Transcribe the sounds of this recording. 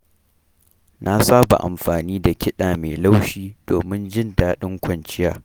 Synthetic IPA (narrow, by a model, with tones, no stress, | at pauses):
nʔa˦saː˦ba̰˨ʔa̰˨mɸaː˨niː˦da˨kʲɪ˦ɗaː˨meː˨la˦wʃiː˦d̥oː˨mɪ˦nd͡ʒɪ˦ndaː˨˦ɗɪ˦ŋkʷɐ˨nt͡ʃɪ˦jaː˦